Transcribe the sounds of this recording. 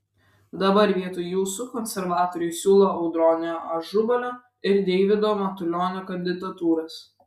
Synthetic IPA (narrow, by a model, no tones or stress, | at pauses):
d̪ɐbɐɾʋʲiɛt̪uːjjuːsukɔnʲsʲɛɾʋɑːt̪oːɾʲɪʊɪsʲuːlˠoːɐʊd̪ɾɔːnʲɪɐʒʊbɐlʲoː | ɪɾd̪ʲɛɪʋʲɪd̪oːmɐt̪ʊlʲoːnʲoːkɐnʲd̪ʲɪd̪ɐt̪uːɾɐs